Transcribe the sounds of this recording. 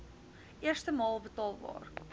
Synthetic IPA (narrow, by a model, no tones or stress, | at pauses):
ʔiərstəmɑːlˠbətɑːlˠbɑ̰ːr